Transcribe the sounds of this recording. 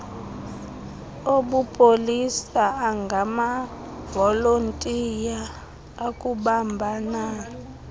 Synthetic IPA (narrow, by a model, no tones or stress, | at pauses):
oɓupʼolisaːŋɡʱama | vɔlontʼijaː | kʼuɓambʱana